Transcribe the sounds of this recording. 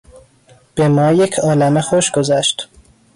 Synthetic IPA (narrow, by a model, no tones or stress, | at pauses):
b̥emɒːje̞cʰɒːlæmexoʃɡo̞zæʃt̪